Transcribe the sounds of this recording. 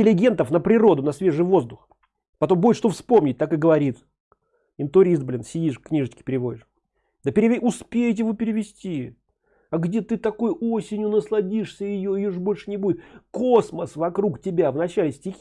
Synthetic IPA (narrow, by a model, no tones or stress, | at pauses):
ɪlʲɪɡʲe̞nt̪əfnəpɾʲɪɾo̞d̪ʊnɐsvʲe̞ʐɨjvo̞zd̪ʊx | pɐt̪o̞mbujʲɪʂt̪ofspo̞mnʲɪt̚ʲt̪akɨɡəvɐɾʲit̪ | ɪnt̪ʊɾʲist̪̚blʲɪnsʲɪdʲiʂkkːnʲiʐət͡ɕkʲɪ̥pʲɪɾʲɪvo̞dʲɪʂ | d̪əpʲɪɾʲɪʊspʲejɪt̬ʲɪjɪvopʲɪɾʲɪvʲɪsʲtʲi | aɡdʲe̞t̪ɨt̪ɐkojosʲɪnʲjʊnəslˠɐdʲiʂsʲəjɪjoɪjoʐbo̞lʲʂɨnʲɪbudʲɪkosməsvɐkɾuktʲɪbʲavnɐt͡ɕælʲɪsʲtʲɪxʲ